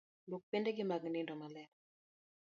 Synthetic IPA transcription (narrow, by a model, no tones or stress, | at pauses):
lok̚pɪndeɡɪmaɡnɪndɔmalɛ